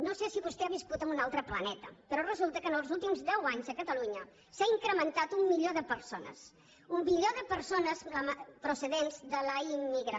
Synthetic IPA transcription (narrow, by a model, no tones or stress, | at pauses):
nosesiβust̪eaβiskut̪əmbunalˠt̪ɾəplənɛt̪əpəɾɔrəzulˠt̪əkənəlˠzulˠt̪imzðɛwaɲzəkət̪əluɲə | saiŋkɾəmənt̪at̪umːiʎoðəpəɾsonə̰s | umbiʎoðəpəɾsonəsəmpɾusəðenzðələimːiɣɾə